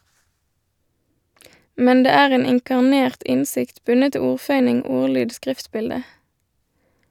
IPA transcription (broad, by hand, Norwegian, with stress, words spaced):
ˈmɛn ˈdeː ˈæːʁ ˈeːn ɪŋkɑʁˈneːʁt ˈʔɪnˌsɪkt ˈbʉnə ˈtɪ ˈuːʁˌfœʏnɪŋ ˈuːʁˌlyːd ˈskʁɪftˌbɪldə